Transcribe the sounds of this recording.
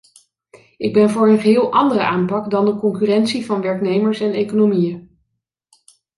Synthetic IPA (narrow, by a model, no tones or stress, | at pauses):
ɪɡ̚bɛnvʊːɹənχəɦɪːlˠʔɑndərəʔaːmpɑkdɑndəkɔŋkyrɛntsivɑnʋɛɹknejməɹsɛnejkonomijə